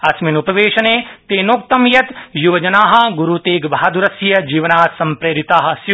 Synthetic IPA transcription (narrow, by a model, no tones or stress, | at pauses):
ɐsminupɐʋeːʃɐneːt̪eːnoːk̚t̪ɐmjɐt̪juʋɐd͡ʒɐnaːɦɐ̆ɡuɾut̪eːɡbʱaaːd̪uɾɐsjɐd͡ʒiːʋɐnaːsɐ̃mpɾeːɾit̪aːɦɐ̆s